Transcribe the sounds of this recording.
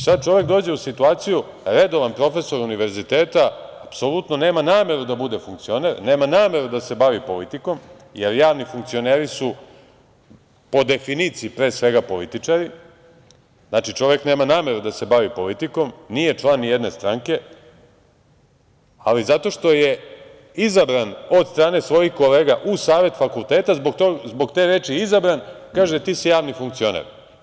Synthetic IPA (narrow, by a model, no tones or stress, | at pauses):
sad̪̚t͡ʃo̞ʋe̞kd̪o̞ːd͡ʑe̞usit̪uaːt̪siju | ɾed̪o̞ʋanpɾo̞fe̞so̞ɾuniʋe̞ɾzit̪eːt̪aapso̞lut̪none̞ːmanaːme̞ɾud̪abud̪e̞fuŋk̚t̪sio̞ne̞ɾne̞ːmanaːme̞ɾud̪ase̞baʋipo̞lit̪iko̞m | jeɾjaːʋnifuŋk̚t̪sio̞neːɾisu | po̞d̪e̞finit̪siːpɾe̞ːsʋe̞ɡapo̞lit̪it͡ʂaɾi | znaːt͡ʃit͡ʃo̞ʋekne̞ːmanaːme̞ɾud̪ase̞baʋipo̞lit̪iko̞mnije̞t͡ʃlˠanːijed̪ne̞st̪ɾaŋke̞ | a̰lizat̪o̞ʃt̪o̞je | izabɾano̞d̪st̪ɾaːne̞sʋo̞ːjixko̞le̞ːɡaʔussaːʋe̞t̪fakulˠt̪e̞ːt̪azbt̪ozboɡt̪e̞ɾeːt͡ʃijizabɾankaːʒet̪iːsijaːʋnifuŋk̚tsio̞nḛɾ